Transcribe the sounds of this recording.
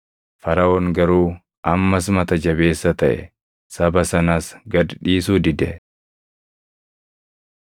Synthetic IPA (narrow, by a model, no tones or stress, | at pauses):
fɐɾɐoːŋɡɐɾuː | ʔɐmːɐs̬mɐt̪ɐd͡ʒɐβe̞ːsːɐt̪ɐʔɛ̰ | sɐbɐsɐnaːsɡɐd̪ᶑiːsuːd̪ɪd̪ɛ̰